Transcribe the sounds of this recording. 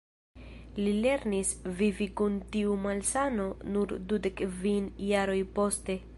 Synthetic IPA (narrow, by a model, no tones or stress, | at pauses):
lile̞ɾnisvivikuntiumalsano̞nuɾdudekvinjaɾo̞jpo̞ste̞